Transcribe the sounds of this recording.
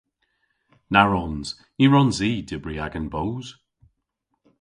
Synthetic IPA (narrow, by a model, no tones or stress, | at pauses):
naɹɔnz̥ | iɹɔnziːdɪbɹiaɡənbowz̥